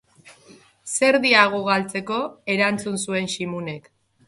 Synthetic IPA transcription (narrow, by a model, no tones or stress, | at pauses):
se̞ɾðiaɣ̞oɣ̞alt͡se̞ko̞e̞ɾant͡sunsue̞nʃimune̞k